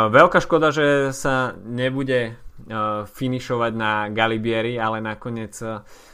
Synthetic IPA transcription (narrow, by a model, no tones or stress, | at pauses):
ʋɛlkaːʃkɔd̪aʒɛsaɲɛbuɟɛ | finiʃɔʋaɟnaɡalibɪɛɾialɛnakɔɲɪɛt͡s